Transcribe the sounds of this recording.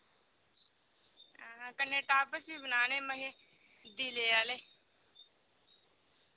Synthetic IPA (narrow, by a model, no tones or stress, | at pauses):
ɦkənːeːʈaːpəsiːbənaːneːməɦeː | d̪iːleːaːleː